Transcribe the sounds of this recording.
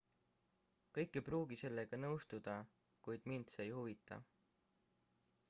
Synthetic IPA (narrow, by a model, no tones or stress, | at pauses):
kɤjkːˑejpɾuːɡ̥ise̞lːe̞ɡ̥ɑnɤwst̪ud̪̥ɑ | kujd̪̥mind̪seːjhuvit̪ːˑɑ̰